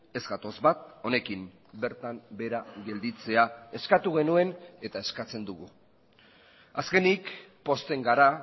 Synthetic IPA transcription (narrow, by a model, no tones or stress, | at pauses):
e̞zɡat̪o̞zβat̪̚o̞ne̞kim | be̞ɾt̪aŋbe̞ɾaɡe̞ld̪it͡se̞ae̞skat̪uɣe̞nue̞ne̞t̪ae̞skat͡se̞nd̪uɣ̞u | aske̞nikpo̞st̪e̞ŋɡaɾa